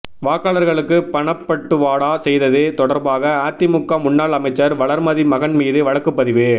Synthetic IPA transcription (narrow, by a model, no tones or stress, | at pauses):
ʋaːkaːlɐɾɣɐɭɯkːɯpɐɳɐpːɐʈːɯʋaːɽaːsɛjðɐðet̪ɔɽɐɾbaːɣɐaːt̪ːɪmʊkːɐmʊɳnːaːɭɐmɐɪt͡ʃːɐɾʋɐɭɐɾmɐðimɐɣɐnmiːðɯʋɐɻɐkːɯpːɐðɪʋɯ